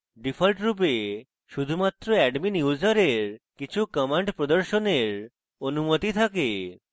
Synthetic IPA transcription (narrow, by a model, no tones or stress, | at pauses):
ɖifʰəlʈɾup̬e | ʃud̪ʱumat̪ɾɔɛɖminjud͡zəɾeɾkit͡ɕʰukəmaɳʈpɾɔd̪əɾʃɔneɾ | ənumət̪it̪ʰake